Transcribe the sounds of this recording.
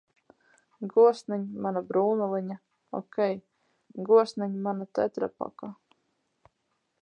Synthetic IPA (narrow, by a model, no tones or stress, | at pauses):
ɡuɔsnaɲmanabɾuːnulˠɨɲa | ɔ̰kʲɛj | ɡuɔsnaɲmanat̪ɛt̪ɾa̰pa̰ka